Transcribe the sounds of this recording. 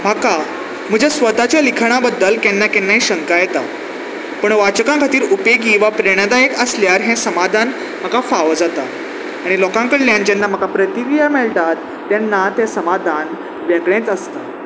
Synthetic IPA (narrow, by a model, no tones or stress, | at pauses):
m̤əka | m̤əd͡ʑʱasʋət̪at͡ɕjalikʰɳ̃abəd̪ːəlkjɛnːakɛnːaɦiːɕəŋkajɛt̪a | pəɳʋat͡ɕəkãŋkʰat̪iːɾupeɡiʋapɾeɽ̃ad̪aekəsljaɾɦɛ̃səmad̪ʱan | m̤əkafaʋəd͡zat̪a | aɽ̃ilɔkãŋkəɽljãnt͡ɕanːam̤əkapɾət̪iɾijamɛɭʈat̪ːjanːat̪asəmad̪ʱan | ʋjɛɡɭẽt͡səst̪a